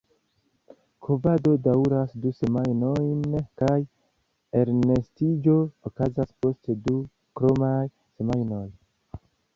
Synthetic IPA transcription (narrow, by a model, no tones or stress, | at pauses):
kʰovado̞dauɾasduse̞majno̞jnkaj | e̞ɾnestid͡ʒo̞okazaspo̞stdu | kɾo̞maj | se̞majno̞j